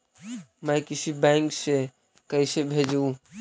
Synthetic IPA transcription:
məjkisibajŋkse | kəɪsebʱed͡ʒũ

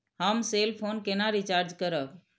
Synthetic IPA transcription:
həmselpʰonkenaɾit͡ʃaɾd͡ʒkəɾək

